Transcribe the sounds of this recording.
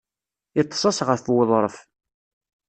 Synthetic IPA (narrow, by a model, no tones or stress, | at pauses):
it̪ˤːsˤɑsʁəfwəðˤɾˤəf